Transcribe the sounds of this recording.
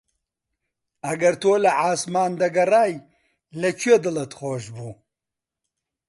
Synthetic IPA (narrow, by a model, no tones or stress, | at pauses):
ɐɡɐɾt̪ʰoːlɐʕaːsmaːnd̪ɐɡɐraːj | lɐt͡ʃʰuied̪ɨlɐt̪χoːʒbuː